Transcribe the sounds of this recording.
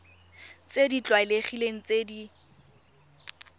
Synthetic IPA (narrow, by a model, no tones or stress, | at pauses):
t͡sedit͡ɬwaɪleχileŋ̩t͡sedi